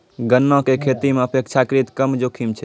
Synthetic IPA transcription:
ɡənːɔ̃kekʰet̪imeəpek̚t͡ʃʰakɾit̪kəmd͡ʒokʰimt͡ʃʰɛ

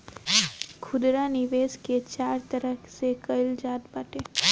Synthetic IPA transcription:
kʰʊd̪ɾaniʋesket͡ʃaɾt̪əɾəksekəjld͡ʒaːt̪baʈe

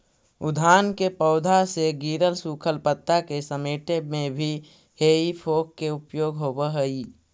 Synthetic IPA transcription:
ʊd̪ʱaːnkepəʊd̪ʱaseɡiːɾəlsuːkʰəlpət̪ːakesəmeːʈemẽbʱi | heːipʰoːkːeʊpjoːɡɦobəɦəi

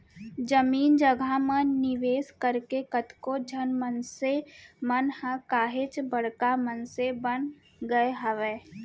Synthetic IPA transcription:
d͡ʒəmiːnd͡ʒəɡʱamənnɪʋeːskəɾkekət̪kod͡ʒʱənmənsemənhə̃kaːɦet͡ʃbəɽ̤kamənsebən | ɡəeɦəʋeː

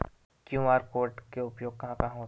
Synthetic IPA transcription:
kjũːmaːɾkoːɾʈkeʊpjoːɡ̚kɐɦãkaɦoː

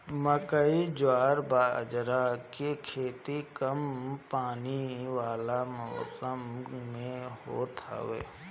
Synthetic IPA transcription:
məkəid͡ʒaːɾbaːd͡ʒɾakekʰeːt̪ikəmpaːniʋaːlaməːsəmmẽɦo̰t̪ʰa̰ʋḛː

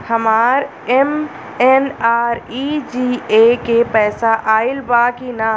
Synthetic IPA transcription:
həmaːɾ | ɛm | enaːɾid͡ʒiːekepɛːsaʔaːɪlbaːkina

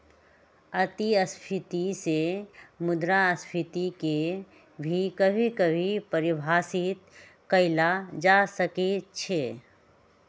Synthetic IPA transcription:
ɐt̪iəspʰɪt̪isemʊd̪ɾaəspʰɪt̪ike | bʱikəbʱikəbʱipəɾɪbʱaːsɪt̪ | kəɪlad͡ʒasəket͡ʃʰe

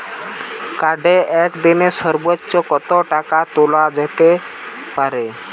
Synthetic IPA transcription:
kaɖeʔɛkd̪inesɔɾbətːt͡ʃɔkɔt̪ɔʈakat̪olad͡ʒɛt̪epaɾe

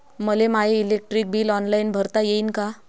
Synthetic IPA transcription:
məlemaɦeilek̚ʈɾik̚biːlɔnlainbʱəɾt̪ajeiːnka

